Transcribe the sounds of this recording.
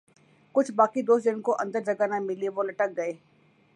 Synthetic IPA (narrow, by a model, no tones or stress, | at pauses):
kʊt͡ʃʰbaːkid̪oːsd͡ʒ̪ɪnkoʔɐ̃nd̪əɾd͡ʒɐɡanamɪliʋolɐʈək̚ɡɐeː